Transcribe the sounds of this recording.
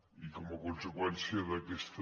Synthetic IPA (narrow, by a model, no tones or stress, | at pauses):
ikomokonsekwensjarekest̪